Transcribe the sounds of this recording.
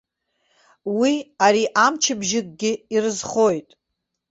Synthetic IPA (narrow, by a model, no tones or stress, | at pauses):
wiaɾiʔamt͡ʃʰɪbʒɪkʼɡʲɪirɨzχo̞jtʼ